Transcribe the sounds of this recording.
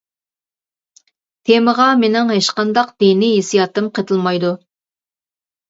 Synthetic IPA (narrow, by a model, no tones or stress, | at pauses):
t̪ʰeməʁɑmenɪŋɦeʃqɑnd̪ɑqd̪enɪjesijɑt̪ɨmqʰət̪ʰɨlˠmɑjd̪u